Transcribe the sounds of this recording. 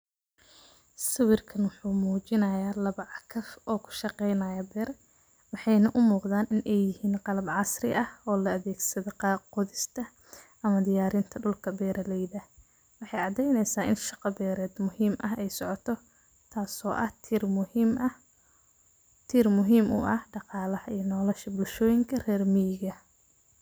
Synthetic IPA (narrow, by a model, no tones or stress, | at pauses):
sɪwɪrkʰɐnwʊħuːmuːt͡ʃɪnɐjaːlɐβɐʕɑkʰɐfɔːkʰʊ̥ʃɑqɛjnɐjɐbɛːr | wɑħɑjnɐʔʊmuːqðaːnʔɪnʔɛjjɪhiːnqɑlɐbʕɑsrɪ̰ʔɐhɔːlɐɐðɛːɡsɐðɔqɑːqɔðɪst̪ʰɐ | ɐmɐd̪ɪjaːɾɪnt̪ʰɐɖʊlkʰɐbɛːɾɐlɛjðɐ | wɑħɑjʕɑʕd̪ɛjnɛjsaːʔɪnʃɑqɑbɛːɾɛːd̪mʊhiːmʔɐɦɛjsɔʕɔt̪ʰɔ | t̪ʰaːsɔːʔɐh | m | t̪ʰiːrmʊɦiːmʔʊ̰ʔɐhɖɑqɑːlɐhɐijɐnɔːlɛʃɐbʊlʃɔːjɪŋkʰɐrɛːrmijɡɐ